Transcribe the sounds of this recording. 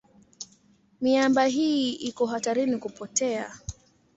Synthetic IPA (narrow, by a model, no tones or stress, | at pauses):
miambaɦiʔikɔɦataɾinikupɔtɛa̰